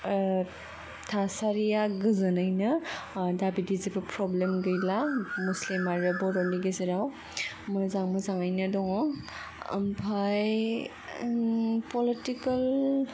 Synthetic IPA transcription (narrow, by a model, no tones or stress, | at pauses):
tʰasaɾijaɡɯzɯnajnɯdabidizibɯpɾɔblemɡɯjlamuslimaɾɯbɔɾɔndiɡezeɾaw | mɯzaŋmɯzaŋajnadɔŋɔŋ | ɐ̰mpʰaj | pɔlitikɐl